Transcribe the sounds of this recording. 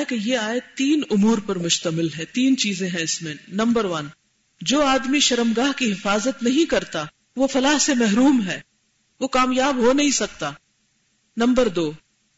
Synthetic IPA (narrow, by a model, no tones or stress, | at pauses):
kejeaːet̪iːnʊmuːɾpɐɾmʊʃt̪əmɪlɦɛ̃t̪iːnt͡ʃiːzẽɦɛ̃ɪsmẽnɐ̃mbəɾʋɐn | d͡ʒoːaːd̪miʃɐɾəmɡaːɦkiɦɪfaːzət̪nɐɦĩkɐɾt̪a | ʋofɐlaɦsemɛɦɾuːmɦɛː | ʋokaːmjaːbɦonɐɦĩsɐk̚t̪aː | nɐ̃mbəɾd̪oː